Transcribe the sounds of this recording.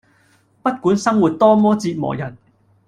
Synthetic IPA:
pɐ˥t̚kuː˨˥nsɐ˥ŋwuː˨t̚t̪ɔː˥mɔː˥t͡siː˧t̚mɔ̰ː˨˩jɐ˨˩n

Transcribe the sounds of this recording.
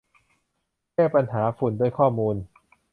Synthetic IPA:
kɛː˥˩pa˧nɦaː˩˦fu˨˩˦ndu˥˩əjkʰɔː˥˩muː˧n

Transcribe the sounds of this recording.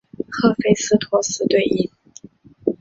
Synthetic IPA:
xɤ˥˩fe˥ɪsɹ̩˥t̪ʰwɔ˧˥sɹ̩˧˥t̪we˥˩ɪʔi˥˩n

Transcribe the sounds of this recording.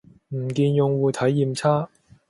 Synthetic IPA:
m̩˨˩kiː˧njʊ˨˧ŋwuː˧jt̪ʰɐ˨˥jːiː˧mt͡sʰaː˥

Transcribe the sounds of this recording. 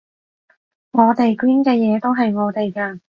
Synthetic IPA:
ŋɔː˨˧t̪e˨jkwiː˥nkɛː˧jɛː˨˧t̪o˥wɦɐ˨jŋɔː˨˧t̪e˨jkɐ˧

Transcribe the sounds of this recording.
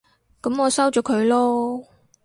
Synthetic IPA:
kɐ˨˥mɔː˨˧sɐ˥wt͡ʃɔː˨˥kʰɵ˨˧ɥlɔː˥

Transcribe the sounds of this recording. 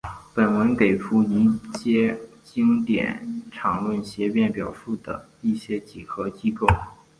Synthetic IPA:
pə˨˩nwə˧˥nke˨˩ɪfu˧˥i˧˥t͡ɕjɛ˥ | t͡ɕi˥ŋt̪jɛ̰˨˩˦nʈ͡ʂʰɑ˨˩ŋlwə˥˩nɕjɛ˧˥pjɛ˥˩npjɑ˨˩ʊʂu˥˩d̪ə̰˩ | i˥˩ɕjɛ˥t͡ɕi˨˩xɤ˧˥t͡ɕi˥ko˥˩ʊ

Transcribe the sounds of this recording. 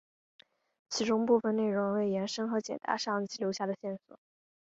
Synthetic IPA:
t͡ɕʰi˧˥ʈ͡ʂʊ˥ŋpu˥˩fə˨˩ne˥˩ɪɻʊ˧˥ŋwe˥˩ɪjɛ˧˥nʂɤ˥ŋxɤ˧˥t͡ɕjɛ̰˨˩nt̪a̰˧˥ʂɑ˥˧ŋ˧t͡ɕi˥˩ljo˧˥ʊɕja˥˩d̪ə˩ɕjɛ˥˩nswɔ̰˨˩˦

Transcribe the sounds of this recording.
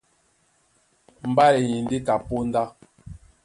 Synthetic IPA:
m̩˨ba˦le˨ji˨n˦di˦ka˨po˦n˦da˦

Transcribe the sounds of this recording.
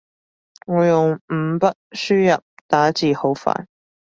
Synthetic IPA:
ŋɔː˨˧jʊ˨ŋm̩˨˧˩pɐ˥t̚syː˥jɐ˨p̚t̪aː˨˥t͡siː˨ho˨˥wfa̰ː˨n

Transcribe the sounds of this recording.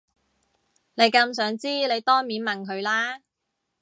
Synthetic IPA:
ne˨˧jkɐ˧ms̬œː˨˥ŋt͡siː˥le˨˧jt̪ɔː˥ŋmiː˨˥nmɐ˨nkʰɵ˨˧ɥlaː˥

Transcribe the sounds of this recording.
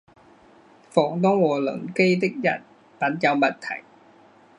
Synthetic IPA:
fɔː˨˩ŋt̪ɔː˥˩ŋwɔ˨˩lɤ̰˨˥ŋke˥˩jt̪i˦˥k̚ja̰˨˩t̪̚ | pa˨˥nt͡ɕa˧wba˨˩tt̪ʰːa̰˨˦j

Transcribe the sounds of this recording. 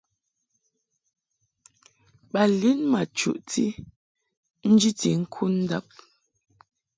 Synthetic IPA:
ɓa˨li˦nma˨t͡ʃṵ˨ʔti˦ | n̩˦d͡ʒi˦ti˨ŋ̩˦kʰu˦n̩˦da̰˦˨p̚

